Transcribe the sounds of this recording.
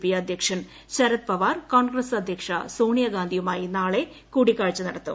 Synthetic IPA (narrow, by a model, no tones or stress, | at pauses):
pijɐɐd̪ʱjɐkʂɐn | t͡ɕɐɾɐt̪̚pɐʋaːrkoːnɡɾɐsɐd̪ʱjɐkʂɐ̰soːɳijɐɡaːnd̪ʱiʋumaːjinaːɭe̞ | kuːɽikːaːɻt͡ɕːɨnɐɽɐt̪ːṵm